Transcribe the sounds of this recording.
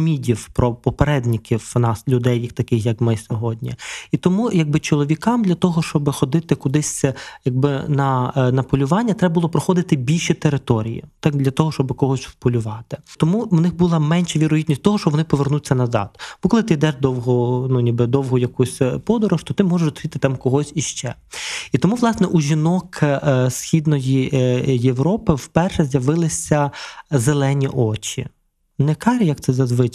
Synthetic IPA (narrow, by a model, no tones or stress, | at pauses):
mʲidʲiwpɾɔpɔpeɾɛd̪ʲnʲɪkʲiwnɑslʲʊd̪ɛjkt̪ɐkɪxjɐkmɪsʲɔɦɔdʲnʲḭit̪ɔmujɐɡ̚bɪt͡ʃɔlˠɔʋʲikɑmd̪lʲɐt̪ɔɦɔʃt͡ʃɔbɪxɔd̪ɪt̪ɪkʊd̪ɪsʲjɐɡ̚bɪnɐnɐpɔlʲʊʋɑnʲːɐt̪ɾɛbɐbʊlˠɔpɾɔxɔd̪ɪt̪ɪbʲilʲʃit̪eɾɪt̪ɔɾʲḭjḭt̪ɑkd̪lʲɐt̪ɔɦɔʃt͡ʃɔbɪkɔɦɔsʲspɔlʲʊʋɑt̪ɪ̥t̪ɔmuwnɪxbulˠɐmɛnʃɛʋʲiɾɔɦʲid̪ʲnʲisʲt̪ɔɦɔʃt͡ʃɔbʋɔnɪpɔʋernut͡sʲːɐnɐzɑ̰d̪̥b̥ɔkɔlˠɪt̪ɪid̪ɛʒd̪ɔwɦɔnunʲibɪd̪ɔwɦɔjɐkusʲpɔd̪ɔɾɔʃt̪ɔt̪ɪmɔʒeʃsʲit̪ɪt̪ɑmkɔɦɔsʲiʃt͡ʃɛ | it̪ɔmuʋlˠɑsnɛʔuʒʲinɔksxʲid̪nɔjijeʋɾɔpɪwpɛrʃɛzʲjɐʋɪlˠɪsʲɐzelˠɛnʲiʔɔt͡ʃḭ | nɛkɑɾʲɐjɐk̚t̪sɛzɐzʋɪt͡ʃ